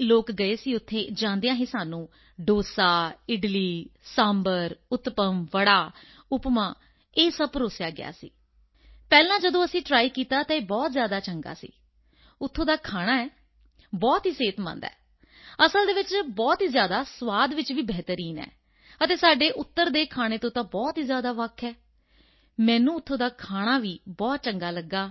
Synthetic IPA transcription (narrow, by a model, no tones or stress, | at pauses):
loːkɡəeːsiːʊt̪ʰːeːd͡ʒãːnd̪ejãːɦeːsaːnũː | ɖoːsaːɪɖliːsãːmbəɾʊt̪pəmʋəɽaː | ʊpmãː | eːsəbɾoːsjaːɡɪ̰ja̰ːsḭː | pɛːlãːd͡ʒəd̪õːəsĩːʈɾaːiːkiːt̪aːt̪ãːeːbɔːt̪zjaːd̪aːt͡ʃəŋɡa̰ːsḭː | ʊt̪ʰːõːd̪aːkʰaːɽ̃aːɛː | bɔːt̪ɦiːseːt̪mə̰̃nd̪ɛ̰ː | əsəld̪eːʋɪt͡ʃbɔːt̪ɦiːzjaːd̪aːsʋaːd̪ʋɪt͡ʃʋiːbɛɦt̪əɾiːnɛ̰ː | ət̪eːsaːɖeːʔʊt̪ːəɾd̪eːkʰaːɽ̃eːt̪õːt̪ãːbɔːt̪ɦiːzjaːd̪aːʋəkʰːɛː | mɛ̃ːnũːʊt̪ʰːõːd̪aːkʰaːɽ̃aːʋiːbɔːt̪̚t͡ʃəŋɡaːləɡːaː